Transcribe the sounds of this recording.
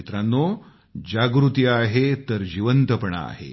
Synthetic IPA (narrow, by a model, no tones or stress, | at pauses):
it̪ɾanːo | d͡ʑaɡɾut̪iaɦet̪əɾd͡ʑiʋənt̪əpəɳa̰ːɦḛ